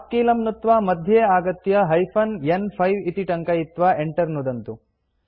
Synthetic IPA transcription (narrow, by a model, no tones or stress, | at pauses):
p̚kiːlɐmnut̪ʋaːmɐd̪ʱjeaːɡɐt̪jɐɦɐjpʰɐnjenpʰɐjʋit̪iʈɐŋkɐit̪ʋaʔeɳʈɐɾnud̪ɐnt̪u